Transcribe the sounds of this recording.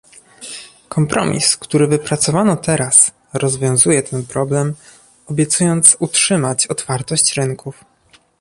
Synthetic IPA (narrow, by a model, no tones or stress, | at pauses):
kʰɔmpɾʔɔ̰mʲḭskt̪uɾɘvɘpɾat̪sɔvanɔt̪ɛɾas | ɾɔzvʲjɔ̃w̃zujɛt̪ʰɛnpɾɔblɛm | ɔbʲjɛt̪sujɔnt̪sutʂɘmat͡ɕɔt̪faɾt̪ɔɕt͡ɕɾɘŋkʰuf